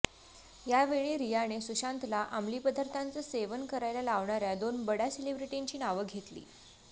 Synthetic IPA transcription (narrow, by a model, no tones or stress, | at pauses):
jaʋeɭ̃iːɾijanesuɕant̪laʔamliːpəd̪ʱəɾt̪ʰant͡səːseʋənkəɾajljalaʋɳaɾjad̪onbəɽaselibɾiʈiɲt͡ɕiːnaʋəɡʱet̪lḭː